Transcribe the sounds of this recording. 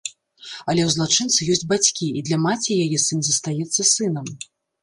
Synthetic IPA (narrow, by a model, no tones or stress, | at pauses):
ɐlʲɛwzlˠat͡ʂɨnt̪sɨjɔsʲd͡zʲbat͡sʲkʲiid̪lʲɐmat͡sʲijajɛsɨnʲzɐst̪ajɛt̪sːɐsɨnɐm